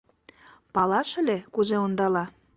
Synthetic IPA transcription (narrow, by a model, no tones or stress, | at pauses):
pɑlɑʃə̆lʲekuzeond̪ɑlɑ